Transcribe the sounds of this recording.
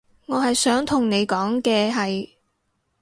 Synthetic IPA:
ŋɔː˨˧ɦɐ˨jsœː˨˥ŋt̪ʰʊ˨˩ŋne˨˧jkɔː˨˥ŋkɛː˧ɦɐ˨j

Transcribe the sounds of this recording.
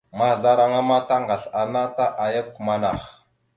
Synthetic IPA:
ma˦˨ɮa˦ɾa˦ŋa˦ma˦ta˦ŋɡa˨ɬa˨na˦ta˦ʔa˨ja˦ku˨ma˦na˨x

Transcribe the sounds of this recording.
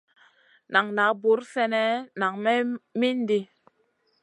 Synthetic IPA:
na˨ŋna˨˦bu˨˦ɾsɛ˦nɛ˦na˨ŋmɛ˦mi˦ndi˦

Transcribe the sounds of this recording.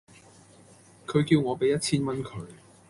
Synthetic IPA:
kʰɵ˨˧ɥkiː˧wŋɔː˨˧pe˨˥jɐ˥t̚t͡sʰiː˥nmɐ˥nkʰɵ˨˧ɥ

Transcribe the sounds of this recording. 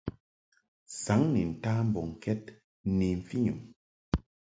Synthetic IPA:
sa˨˦ŋni˨n̩˨ta˦m̩˦bɔ˨ŋ˨kɛ˦t̚ | ni˨ɱ̩˨fi˦ɲṵ˨m

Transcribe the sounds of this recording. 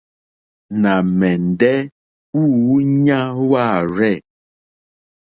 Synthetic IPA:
na˨mɛ˨n˨dɛ˦ | u˦˨wu˦ɲã˦wa˦˨ɾɛ˦˨

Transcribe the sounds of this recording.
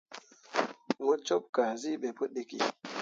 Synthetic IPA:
ŋo˦t͡ʃo˦p̚ka˨zi˦ɓe˨po˦ɗe˦kḭ˨

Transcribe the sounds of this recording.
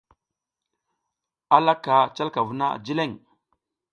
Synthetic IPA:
a˦la˦ka˨t͡ʃa˦lka˨vu˨˦na̰˦˨d͡ʒi˦le˦˨ŋ

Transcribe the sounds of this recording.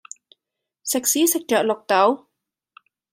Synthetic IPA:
sɛ˨˩k̚si˨˦sɛ˨˩k̚t͡ɕə̰ː˧˨˩lo˨˩k͡p̚t̪a˨˦w

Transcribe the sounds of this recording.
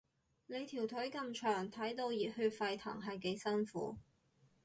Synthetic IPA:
ne˨˧jt̪ʰiː˨˩wt̪ʰɵ˨˥kɐ˧mt͡ʃʰœː˨˩ŋt̪ʰɐ˨˥jt̪o˧wjiː˨t̚hyː˧t̚fɐ˧jt̪ʰɐ̰ː˨˩ŋɦɐ˨jke˨˧jsɐ˥nfṵː˨˥

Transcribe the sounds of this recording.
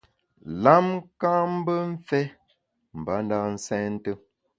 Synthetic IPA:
la˦mkã˦m̩˦bə˦ɱ̩˦fɛ˦ | m̩˨ba˨˦n̩˦da˦˨n̩˦sɛ̃˦n̩˦tə˦

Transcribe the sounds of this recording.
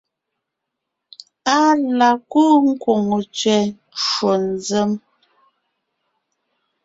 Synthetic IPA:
a˦la˨ku˦ŋ̩˦kwo˨ŋu˨t͡ʃɥɛ˨˦ | ʃwo˨n̩˦zə˦m

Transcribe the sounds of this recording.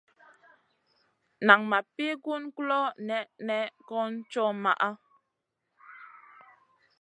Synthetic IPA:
na˨ŋma˨pi˦ɡu˦nklɔ˦nɛ˦ʔnɛ˦kɔ˦n̩˦t͡ʃɔ˦ma̰˨ʔa˦

